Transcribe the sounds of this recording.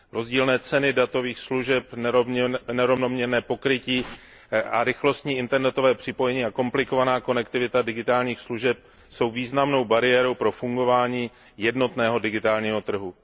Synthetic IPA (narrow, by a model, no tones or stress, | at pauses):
ɾo̞zɟiːlnɛːt͡sɛnɪdat̪o̞viːxsluʒɛp | nɛɾovnomɲɛɾnɛːpo̞kɾɪciː | ʔa̰ɾɪxlo̞st̪ɲiːʔɪnt̪ɛɾnɛt̪o̞vɛːpr̝̥ɪpo̞jɛɲiːako̞mplɪko̞vanaːko̞nɛkt̪ɪvɪt̪adɪɡɪt̪aːlɲiːxsluʒɛp̚ | so̞wviːznamno̞wbaɾɪjɛːɾo̞wpɾo̞fuŋɡo̞vaːɲiː | jɛdno̞t̪nɛːɦo̞dɪɡɪt̪aːlɲiːɦo̞t̪r̩ɦu